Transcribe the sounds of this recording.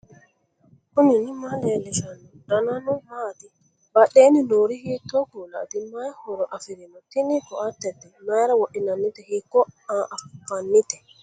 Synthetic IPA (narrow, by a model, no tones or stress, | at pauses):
kuninimalɛlɛsanːɔdananɔmat̪i | baɗeninoɾihit̪ːɔkula̰t̪imajhɔɾɔʔafiɾɛnɔt̪inikɔat̪ːɛd̪ɛmajɾawɔɗinanːit̪ɛhikːɔaʔafanːit̪ɛ